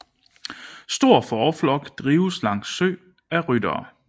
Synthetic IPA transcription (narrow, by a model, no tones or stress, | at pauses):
sd̥o̝ɐ̰fɒːflɒ̽ɡ̥d̥ʁiːʊslɑ̈ŋ̰̥sø̰ː | æʁyd̥ɐː